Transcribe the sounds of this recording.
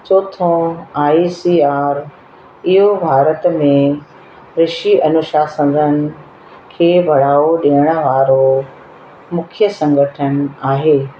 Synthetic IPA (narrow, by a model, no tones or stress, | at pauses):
t͡ɕoːt̪ʰõaːisiːaːɾ | ɪɦobʱaːɾət̪mẽ | ɾɪʃiʔɐnʊʃaːsə̃n̆d̪ʱənɪ̆ | kʰeːbʱɐɽ̤aːoɗiəɽ̃ə̆ʋaːɾo | mʊkʰijəsɐ̃ŋɡʱəʈʰənaːɦeː